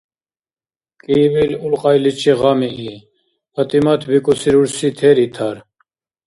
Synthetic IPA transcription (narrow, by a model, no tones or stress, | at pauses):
kʼivilulqʼɑjlit͡ʃʰʼiʁɑmii | ət̪imat̪ʰbikʼusʰiɾuɾsit̪ʰɛɾit̪ʰaɾ